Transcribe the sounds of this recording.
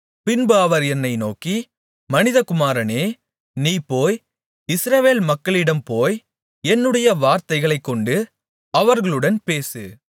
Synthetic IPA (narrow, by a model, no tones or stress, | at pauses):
pɪnbɯɐʋɐɾɛnːɐɪnoːki | mɐnɪðɐkʊmaːɾɐneː | niːpːoːj | ɪsɾɐʋeːlmɐkːɐɭɪɽɐmpoːj | ɛnːɯɽɐjɐʋaːɾt̪ɐɪɣɐɭɐɪkːɔɳɖɯ | ɐʋɐɾɣɐɭɯɽɐnpeːsɯ̰